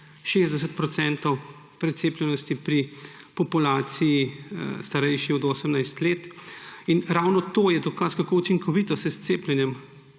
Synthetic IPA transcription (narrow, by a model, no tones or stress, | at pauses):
ʃeːzd̪ɛs̬ət̪pɾɔt̪sɛnt̪ɔw | pɾɛt̪seːplʲjɛnɔst̪ipɾi | pɔpulaːt̪sijist̪aɾɛjʃiɔd̪oːsəmnajst̪leːt̪inɾawnɔt̪oːjɛd̪ɔkaskakout͡ʃiŋkɔʋiːt̪ɔsɛst̪seːplʲɛnjɛm